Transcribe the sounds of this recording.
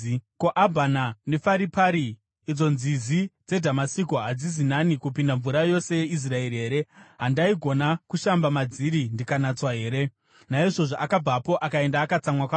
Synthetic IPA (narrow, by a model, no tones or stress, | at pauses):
koʔabʱanane̞faɾipaɾiː | d͡zo̞nzizid͡ze̞dʱamasikoɦad͡zizinanikupindaɱvuɾajo̞se̞je̞is̬rae̞riɦe̞ːɾe̞ɦandaiɡʱo̞nakuʃambamad͡ziɾindikanat͡swaɦe̞ːɾe̞ | naiʐo̞ʐoʔakab͡vapo̞ʔakae̞ndaːkat͡samwakwa